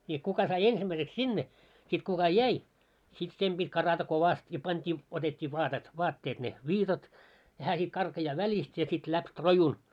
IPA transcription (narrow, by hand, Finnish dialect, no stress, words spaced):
niː kukɑ sɑi ensimːæiseks sinːe sit kukɑ jæi sit sem b̥itʲ kɑrɑtɑ koʋɑst jɑ pɑntʲiː otetʲːiː ʋɑːtet ʋɑːtːeːt ne ʋiːtɑt jɑ hæː sit kɑrkɑjɑː ʋælʲist jɑ sit læp rojun